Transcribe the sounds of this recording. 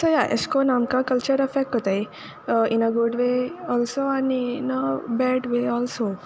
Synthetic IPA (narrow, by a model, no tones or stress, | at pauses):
səjaʔḛskonamkakəlt͡ʃəɾefɛkːɦɔt̪aj | inəɡuɖʋeɔːlsoaniinəbɛɖʋeɔːlso